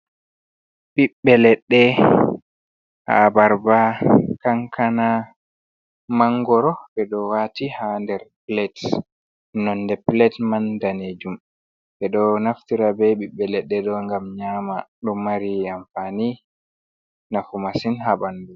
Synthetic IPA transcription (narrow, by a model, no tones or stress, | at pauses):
ɓiɓːɛlɛɗːɛ | ha̰baɾbakaŋkʰana | maŋɡɔɾɔɓɛɗɔwatihandɛɾplɛt | nɔnːdɛplɛtmandaned͡ʒum | ɓɛɗɔnaftiɾabɛɓiɓːɛlɛɗːɛɗɔŋɡamɲamaɗɔmːaɾiamfani | nafumasinhabandu